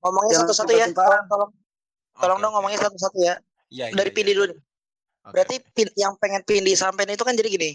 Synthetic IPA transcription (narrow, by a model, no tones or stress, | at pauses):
ŋomɔŋɲasat̪usat̪ujaaŋt̪ɔlɔŋ | t̪ɔlɔŋdɔŋːomɔŋɲasat̪usat̪uja | daɾipindiduni | bəɾart̪ipinjaŋpeŋɛnpindisampajnit̪ukand͡ʒadiɡini